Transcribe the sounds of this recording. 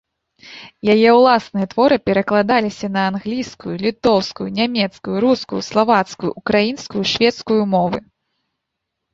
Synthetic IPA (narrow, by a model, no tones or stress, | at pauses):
jajɛwlˠasnɨjɛt̪vɔɾɨpʲɛɾɐklˠad̪alʲisʲɐnɐanɣlʲijskujulʲit̪ɔwskujunʲamʲɛt̪skujuɾuskujuslˠavat̪skujṵʔukɾajinskujuʂvʲɛt̪skujumɔvɨ